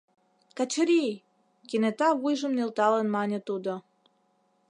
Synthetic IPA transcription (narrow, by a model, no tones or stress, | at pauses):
kɑt͡ɕə̆ɾi | kenet̪ɑβujʒə̆mnelt̪ɑlənmɑnʲə̆t̪ud̪o